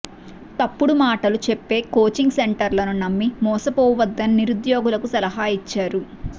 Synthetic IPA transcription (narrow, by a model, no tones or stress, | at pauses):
t̪ɐpːuɽumaːʈɐlut͡ʃepːe̞ːkoːt͡ʃiŋɡse̞ɳʈɐɾlɐnunɐmːimɔːsɐpɔːʋɐd̪ːɐnniɾud̪joːɡulɐkusɐlɐɦaːit͡ʃːaːɾu